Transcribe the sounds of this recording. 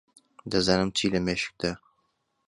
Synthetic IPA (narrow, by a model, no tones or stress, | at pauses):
d̪ɐzaːnɨmt͡ʃʰiːlɐmeʃɨ̥k̚d̪a